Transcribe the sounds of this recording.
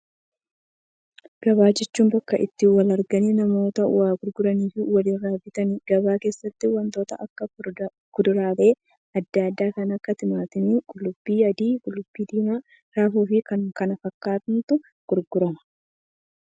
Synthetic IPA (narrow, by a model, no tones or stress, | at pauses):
ɡ̥ɐβaːd͡ʒɛt͡ʃːuːmbɐkːɐʔɪ̰t̪ːɪwɐlɐɾɡɐniːnɐmo̞ːt̪ɐʊ̰waːɡʊɾɡʊɾɐniːfɪwɐliːraːbɪt̪ɐnɪɡ̥ɐbaːke̞ːsːɐt̪ːɪwɐnt̪o̞ːt̪ɐʔɐkːɐ | kʊd̪ʊɾaːbe̞ː | ɐd̪ːaːd̪ːaːkɐnɐkːɐt̪ɪmaːt̪ɪnɪɡʼʊlʊbːiːɐd̪iːɡʼʊlʊbːiːd̪iːmaː | ɾaːfuːfɪkɐŋkɐnɐfɐkːaːt̪ɪnt̪ʊ | ɡ̥ʊɾɡʊɾɐmɐ̥